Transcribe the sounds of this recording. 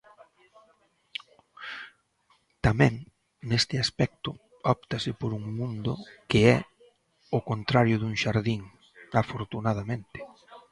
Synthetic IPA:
t̪amɛ̃ŋ | nest̪ɪaspɛk̚t̪ʊ | ɔp̚t̪asɪpoɾuŋmũnd̪ʊ̰kɪɛ | ʊkont̪ɾaɾjʊðuŋʃaɾðiŋ | afoɾt̪unað̞amẽnt̪ɪ̥

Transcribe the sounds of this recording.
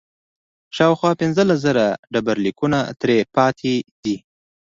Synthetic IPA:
ʃɑwxwɑpɪnzəlas̬zəɾaɖabaɾlikunat̪ɾepɑt̪ʰed̪i

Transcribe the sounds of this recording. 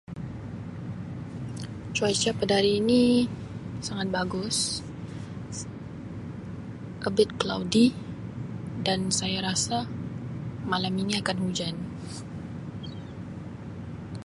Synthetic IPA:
t͡ʃuajt͡ʃapədaɾiːni | saŋat̪̚baɡʊs | ʔəbɪt̪̚klawdi | dansajaɾasa | malamiŋiakanhud͡ʒan

